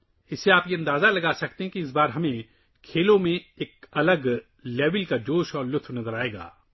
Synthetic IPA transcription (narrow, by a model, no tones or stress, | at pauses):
ɪsːeaːpjeɐ̃nd̪aːzalɐɡaːsɐk̚t̪eɦɛ̃kiɪs̬baːɾɦɐmẽ | kʰeːlõmẽeːk̚ɐləɡ | leːʋəlkad͡ʒoːʃɔːɾlʊt̪ʰʋnɐzəɾaːeːɡa̰ː